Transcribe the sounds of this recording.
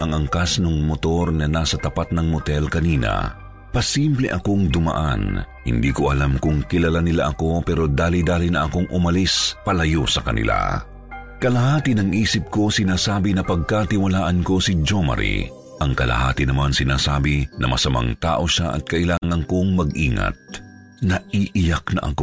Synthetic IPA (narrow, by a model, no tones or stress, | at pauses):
ʔɐŋɐŋkasnoŋmot̪o̞ɾŋɐnaːsɐt̪ɐpat̪̚nɐŋmot̪ɛlkɐniːnɐ̰ | pɐsimplɛʔɐko̞ŋd̪ʊma̰ʔa̰n | hɪ̰nd̪iːko̞ʔɐlamkʊŋkɪlɐlanɪlaʔɐko̞pɛːɾo̞d̪aːlid̪aːlinɐʔɐko̞ŋʔʊmɐlispɐlɐjosɐkɐnɪ̰lʔa̰ | kɐlɐhaːt̪ɪnɐŋʔiːsɪp̚ko̞sɪnaːsaːbinɐpɐɡ̚kat̪ɪwɐlaːʔɐnko̞sɪd͡ʒomɐ̰ɾḭ | ʔɐŋkɐlɐ̰ha̰ːt̪ɪnɐmansɪnaːsaːbɪnɐ̰mɐsɐma̰ŋt̪a̰ːʔo̞ʃaʔɐ̰t̪̚kɐʔɪlaːŋɐŋko̞ŋmɐɡʔiːŋɐ̰t̪̚ | nɐʔiːʔɪjaknɐ̰ʔɐ̰ko